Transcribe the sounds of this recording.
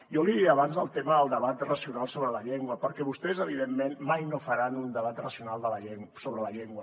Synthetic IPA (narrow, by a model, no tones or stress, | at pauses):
jɔliðiəβanzðəlˠt̪eməəlˠd̪əβat̪rəsiunalˠsoβɾələʎeŋɡwəpəɾkɛβust̪ɛzəβ̞iðemːenmajnofəɾanund̪əβat̪rəsiunalˠd̪ələʎeŋsoβɾələʎeŋɡwə